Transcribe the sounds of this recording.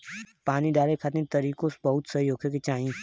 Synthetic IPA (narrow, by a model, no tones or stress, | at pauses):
paːniɖaːɾekʰat̪nĩt̪ɐɾiːkõsbɐɦʊt̪sɐijoːkʰeket͡ʃaːĩ